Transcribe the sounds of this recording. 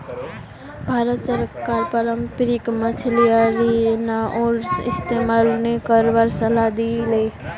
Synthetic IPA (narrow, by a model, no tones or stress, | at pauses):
bʱaːɾət̪səɾkaːɾpəɾəmpɾɪkmət͡ʃʰlijaɾinaʔɔːɾɪ̰st̪emalnekəɾʋəɾsəlad̪ile